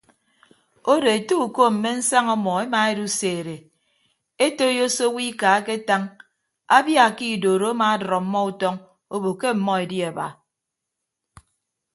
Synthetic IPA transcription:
o˦ɾe˨e˨to˦u˨ko˦m̩˨me˦n̩˦sa˦ŋɔ˦mɔ˨e˦ma˨e˦du˦seː˨ɾe˨ | e˦to˦jo˦so˦wi˦ka˨˦ke˦ta˦ŋ | a˦bja˦˨ki˦˨doː˨ɾo˨˦a˦maː˨˦dɾɔ˨m̩˦mɔ˦u˦tɔ˦ŋ | o˦bo˨ke˦m̩˨mɔ˦e˨dji˦a˨ba̰˨

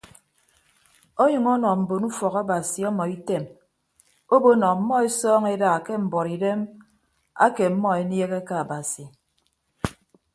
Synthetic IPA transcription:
o˦ɲɨ˨ŋɔ˦nɔ˨m̩˨bo˨nu˦fɔ˨ka˦ba˨si˨ɔ˦mɔ˨i˦te˦˨m | o˦bo˦nɔ˨m̩˦mɔ˦e˦sɔː˦ŋe˦da˨ke˦m̩˨bɔ˨ɾi˨de˦m | a̰˦ke˨m̩˦mɔ˦e˦nje˦ɣe˦ka˦a˨ba˨si˨

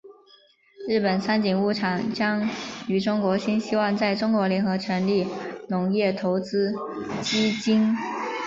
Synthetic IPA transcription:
ɻ̩˥˩pə˨˩nsʰa˥nt͡ɕi˨˩ŋu˥˩ʈ͡ʂʰɑ˨˩ŋt͡ɕjɑ˥ŋy˧˥ʈ͡ʂʊ˥ŋkwɔ˧˥ɕi˥nɕi˥wɑ˥˧ŋt͡sa˥˩ɪʈ͡ʂʊ˥ŋkwɔ˧˥ljɛ˧˥nxɤ˧˥ʈ͡ʂʰɥɛ˧˥nli˥˩nʊ˧˥ŋjɛ˥˩t̪ʰo˧˥ʊt͡sɹ̩˥ | t͡ɕi˥t͡ɕi˥n

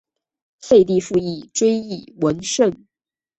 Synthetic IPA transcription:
fe˥˧ɪt̪i˥˧fu˥˧i˥˩ʈ͡ʂwe˥ɪi˥˩wə˧˥nʂə˥˩n

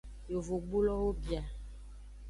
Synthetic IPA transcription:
jo˨vo˨ɡ͡bu˦lɔ˦wo˦bi˨a˨

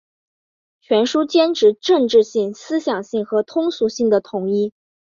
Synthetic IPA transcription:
t͡ɕʰɥɛ˧˥nʂu˥t͡ɕjɛ˥nʈ͡ʂʰɻ̩˧˥ʈ͡ʂɤ˥˧ŋʈ͡ʂɻ̩˥˧ɕi˥˩ŋsɹ̩˥ɕjɑ˨˩ŋɕi˥˩ŋxɤ˧˥t̪ʰʊ˥ŋsu˧˥ɕi˥˩ŋd̪ə˩t̪ʰʊ˧˥ŋi˥

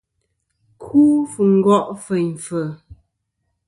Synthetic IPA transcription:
kʰuː˦fu˨ŋ̩˦ɡɔ˦˨ʔfə˨jɱ˨fə˨

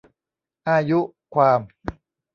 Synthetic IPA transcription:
ʔaː˧ju˦˥ʔ | kʰwaː˧m

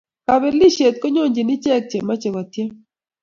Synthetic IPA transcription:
ka˨βɛ˦li˦ʃe˨t̪̚ko˦ɲo˦˨ɲd͡ʒi˨ni˦t͡ʃɛ˦k̚t͡ʃe˨ma˦t͡ʃe˨βa˨t̪je˦

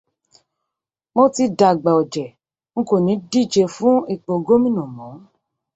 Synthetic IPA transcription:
mo˦ti˧da˨ɡ͡ba˨ɔ˨d͡ʒɛ˨ | ŋ̩˦ko˦˨nĩ˨˦di˦˨d͡ʒe˧fũ˦i˧˨k͡po˨ɡo˦mĩ˦nũ˨mɔ̃˨˦

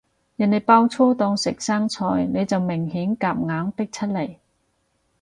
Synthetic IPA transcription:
jɐ˨˩ne˨˧jpaː˥wt͡sʰɔː˥t̪ɔː˧ŋsɪ˨k̚saː˥ŋt͡sʰɔ̰ː˧jne˨˧jt͡sɐ˨wmɪ˨˩ŋhiː˨˥nkaː˨p̚ŋaː˨˧˥ŋt̪ɪ˥k̚t͡sʰɐ˥t̚le˨˩j

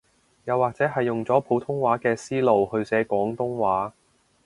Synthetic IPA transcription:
jɐ˨˧wːaː˨k̚t͡sɛː˨˥ɦɐ˨jːʊ˨ŋt͡sɔː˨˥pʰo˨˥wt̪ʰʊ˥ŋwaː˨˥kɛː˧siː˥lo˨whɵ˧ɥsɛː˨˥kʷɔː˨˥ŋt̪ʊ˥ŋwaː˨˥

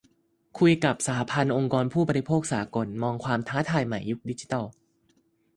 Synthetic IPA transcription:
kʰu˧jka˨˩p̚saː˩˦pʰa˧nʔo˧ŋkɔː˧npʰuː˥˩bə˧ɾi˧pʰoː˥˩k̚saː˩˦ko˧nmɔː˧ŋkʰwaː˧mt̪ʰaː˦˥t̪ʰaː˧jma˨˩jːu˦˥k̚di˦˥t͡ɕi̥˧t̪a˥˩w

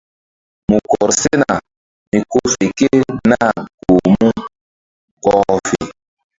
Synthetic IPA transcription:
mu˨kɔ˨ɾse˦na˨ | mi˨ko˦fe˨ke˦na˦˨ɡo˨mu˦ | kɔ˨fe˨

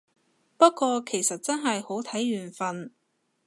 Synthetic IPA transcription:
pɐ˥t̚kːʷɔː˧kʰe˨˩jsɐ˨t̚t͡sɐ˥nɦɐ˨jho˨˥wt̪ʰɐ˨˥jːyː˨˩nfɐ˧n

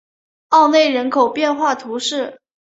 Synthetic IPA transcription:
ɑ˥˧ʊne˥˩ɪɻə˧˥nkʰo˨˩ʊpjɛ˥˧nxwa˥˩t̪ʰu˧˥ʂɻ̩˥˩

